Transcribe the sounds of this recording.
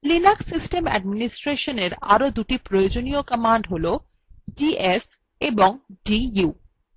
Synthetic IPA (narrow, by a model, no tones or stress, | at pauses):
lilaksisʈemɛ̰ɖ̚minisʈɾeʃoneɾa̰ɾod̪uʈipɾojod͡ʑonijokəmaɳɖɦolo | ɖiʔes | eboŋɖiju